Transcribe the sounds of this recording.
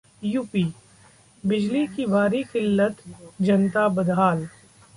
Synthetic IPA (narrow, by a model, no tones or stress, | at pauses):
juːpiː | bɪd͡ʒlikibʱaːɾikɪlːət̪d͡ʒɐnt̪abɐd̪ʱaːl